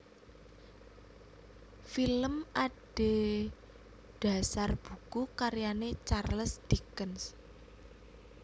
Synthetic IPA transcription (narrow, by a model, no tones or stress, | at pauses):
filəmʔaɖ̥e̤ | ɖ̥a̤sarb̥ṳkukaɾjanet͡ʃarləst̪ikəns